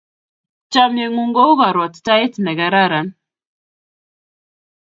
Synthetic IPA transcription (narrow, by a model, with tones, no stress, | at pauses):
t͡ʃa˦mjɛ˨ŋu˦ŋɡɔ˦u˦ɣa˨ɾɔ˨tta˦e˦tnɛ˨ɡa˨ɾa˦ɾa˨˦n